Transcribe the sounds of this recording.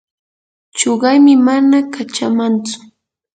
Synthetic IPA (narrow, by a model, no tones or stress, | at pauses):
t͡ʃoɢɑjmɪmanakat͡ʃamant͡sʊ̥